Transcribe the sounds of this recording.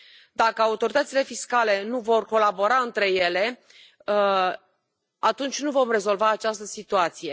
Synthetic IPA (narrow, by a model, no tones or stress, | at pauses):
d̪akəaut̪o̞ɾit̪ət̪sile̞fiskale̞nuvo̞rko̞labo̞ɾaɨnt̪ɾe̞je̞le̞ | at̪unt͡ʃʲnuvo̞mre̞zo̞lvaːt͡ʃast̪əsit̪uat̪sije̞